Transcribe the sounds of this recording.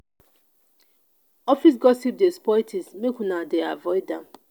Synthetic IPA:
ɔfis̬ɡɔsip̚despɔjtʰismekunadea̰vɔɪdɛ̃m

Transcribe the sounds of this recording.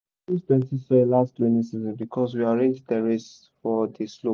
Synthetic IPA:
istɛ̃nsisɔelastwɛ̃nĩsizɔ̃nbikʰɔswiaɹẽnd͡ʒdəɹes | fɔdislo

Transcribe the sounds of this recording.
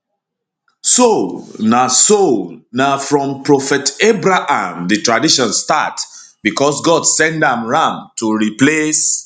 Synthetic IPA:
sonasonafɹɔ̃mpɹɔfɛtebɹaʔãmðɨtɹadiʃɔ̃nstat | bikɔsɡɔdsɛ̃ndãmɹãmtʰuɹiples

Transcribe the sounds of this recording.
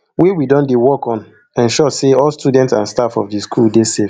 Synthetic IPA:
wiwidɔ̃ndewɔkɔ̃n | ɛ̃nʃɔseɔlstudɛ̃ntsãnstafɔfdiskʰuldesef

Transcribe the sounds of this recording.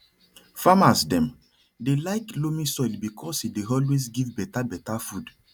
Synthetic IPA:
famasdɛ̃m | delaɪklomisɔjlbikʰɔsideɔlwes̬ɡivbɛtabɛtafud

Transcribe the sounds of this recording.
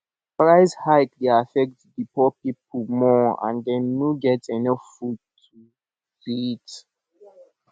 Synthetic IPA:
pɹaɪshaɪkliafɛk̚tdipɔpiplmɔã̰ndɛnːuɡɛtɛnɔffud̚tʰu | fit

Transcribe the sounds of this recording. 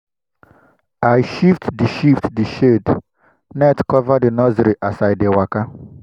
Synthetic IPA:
ajʃiftdiʃiftdiʃed | nɛtkɔvadinɔziɾiʔasajdewaka

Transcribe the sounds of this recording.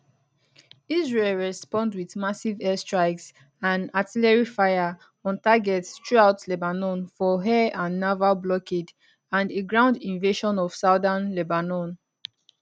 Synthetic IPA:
izɹelɹɛspɔ̃ndwiθmasivɛstɹaɪks | ãnatilɛɹifaɪa | ɔ̃ntaɡɛtstɹuaʊtlɛbanɔ̃nfɔɦɛãnːavalblɔked | ãndeɡɹãʊ̃ndĩnveʃɔ̃nɔv̥saʊdãnlɛbanɔ̃n

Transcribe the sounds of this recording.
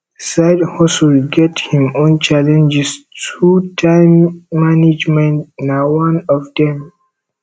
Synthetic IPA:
saɪdhɔsəlɡɛthĩmõnt͡ʃalɛ̃nd͡ʒɛstʰutʰãɪ̃mːanid͡ʒmɛ̃ntnawãnɔfdɛ̃m

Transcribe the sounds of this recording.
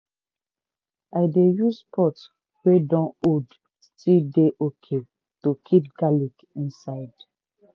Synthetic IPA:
aɪdejupʰɔts | wedɔ̃nod | stildeʔokʰe | tokʰip̚ɡalik | ĩnsaɪd̥

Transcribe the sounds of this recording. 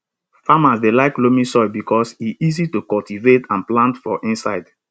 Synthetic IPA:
famasdelaɪklomĩsɔɪbikʰɔsiʔizitukɔltivetʰãnplãntfɔʔĩnsa̰ɪd

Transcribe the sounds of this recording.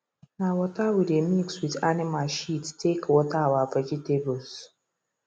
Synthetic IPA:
nawɔtawidemikswitanɪmalʃittːekwɔtawavakitebɔls

